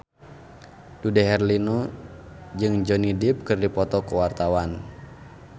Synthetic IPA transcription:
dudɛɦɛrlinɔ | d͡ʒɨŋd͡ʒɔnidip̚kɨrdipɔt̪ɔkuwart̪awan

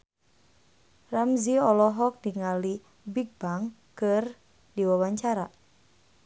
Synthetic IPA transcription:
ramziɔlɔɦɔk̚diŋali | biɡ̚baŋ | kɨr | diwawaɲt͡ʃaɾa

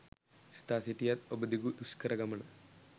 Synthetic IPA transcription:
si̥t̪aːsitːijɐt̪obɐd̪iɡud̪uskɐɾɐɡɐmɐɳɐ

